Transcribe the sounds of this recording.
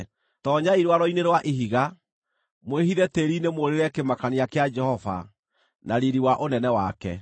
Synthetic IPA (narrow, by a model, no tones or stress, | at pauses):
tɔɲaiɾwaɾɔineɾwaʔeɦiɣa | mwehiðɛteɾinemoɾeɾɛkemakaniakead͡ʒɛhɔva̰ | naɾiɾiwaʔonɛnɛwakɛ̰